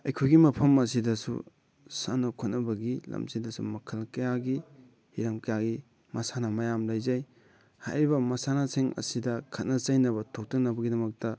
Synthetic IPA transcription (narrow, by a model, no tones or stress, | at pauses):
ɐjkʰojɡimɐpʰɐmɐsidɐsṵ | sanokʰot̚nɐbɐɡilɐ̰msidɐsṵmɐkʰɐlkɐjaɡi | hiɾɐmkɐjaɡi | mɐsanɐmɐjamlɐjzɐj | ha̰jɾibɐmɐsanɐseŋɐ̰sidɐkʰɐt̚nɐt͡ʃɐjnɐβɐtʰok̚tɐnɐbɐɡidɐmɐk̚tɐ